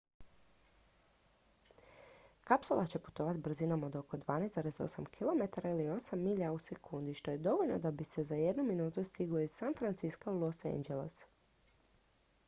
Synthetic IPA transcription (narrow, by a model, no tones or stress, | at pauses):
kapsulˠat͡ɕe̞pu̥t̪o̞ʋat̪br̩zinomo̞d̪o̞ko̞d̪ʋaːnezd̪aɾe̞zo̞̰samkʰilˠo̞me̞t̪aɾailio̞samːiʎause̞kʰund̪iʃt̪o̞je̞d̪o̞ʋo̞ʎnod̪abise̞zaje̞d̪numinuːt̪ust̪iɡlˠo̞iz̥sanfɾant̪siskaulˠo̞sḛnd͡ʒelḛs